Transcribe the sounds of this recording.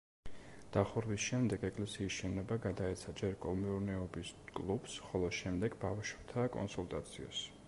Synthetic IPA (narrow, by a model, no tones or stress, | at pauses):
d̪̥aχuɾvisʃɛmd̪ɛɡɛkʼlɛsiːsʃɛnɔbaɡad̪aɛt̪sʰad͡ʒɛɾkʼɔlmiuɾnɛɔbiskʼlˠub̥sχɔlˠɔʃɛmd̪ɛɡ̥bafʃwɛb̥̚t̪ʰakʼɔ̰nsulˠt̪ʼat̪sʰiɔ̰s